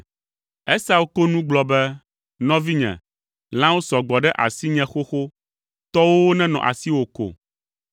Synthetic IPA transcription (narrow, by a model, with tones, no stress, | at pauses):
ɛ˦sa˦wo˦ko˦nũ˦ɡ͡blɔ˨bɛ˦ | nɔ̃˦vi˦ɲɛ̰̃˨ | l̃ã˦wo˦sɔ˨ɡ͡bɔ˨ɖɛ˦ʔa̰˨si˦ɲɛ̃˦xo˦xo˦ | t̪ɔ˦wo˦wo˦nɛ̃˦nɔ̰̃˨ʔa̰˨si˦wo˨ko̰˨